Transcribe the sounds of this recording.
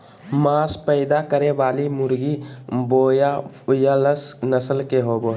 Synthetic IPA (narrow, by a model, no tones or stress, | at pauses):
maːspəɪd̪akəɾeʋaːlimʊɾɡiboːja | jaləsnəsəlkeɦoːbo